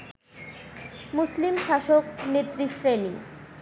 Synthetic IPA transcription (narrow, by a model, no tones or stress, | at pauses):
muslimʃaʃoknet̪ːɾisɾeni